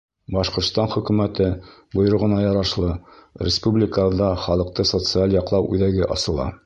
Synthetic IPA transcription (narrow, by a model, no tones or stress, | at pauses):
bɒʃqŏɾt̪st̪ɑnχɵ̆kʉmæt̪ɘbŏj̆ɾŏʁɤ̆nɑjɒɾɑʃlˠɤrʲɪspublʲɪkəðɑχɒlˠɤ̆q̚t̪ɤsot̪sɨalʲˠjɒqlˠɑwʔʉ̰ðæɡɘʔɒ̰sɤ̆lˠɑ̰